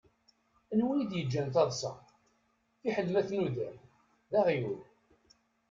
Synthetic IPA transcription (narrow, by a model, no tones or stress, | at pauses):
ənwijid̪jəd͡ʒːænt̪ɑðˤsˤɑ̰ | θiħəlːmæθnuðæm | ðæʁjul